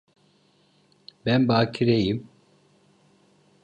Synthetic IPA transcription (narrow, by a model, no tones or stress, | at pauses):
bænbaːcʰiɾejim